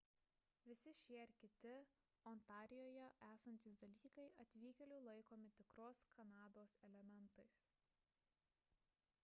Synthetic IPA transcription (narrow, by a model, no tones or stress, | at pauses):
ʋʲɪsʲɪʃʲiɛɪɾkʲɪt̪ʲɪ | ɔnt̪ɑːɾʲɪjoːjɛʔæːsɐnʲt̪ʲiːsd̪ɐlʲiːkɐɪɐt̪ʲʋʲiːkʲɛlʲʊlˠɐɪkoːmʲɪt̪ʲɪkɾoːskʰɐnɑːd̪oːsɛlʲɛmʲɛnt̪ɐɪs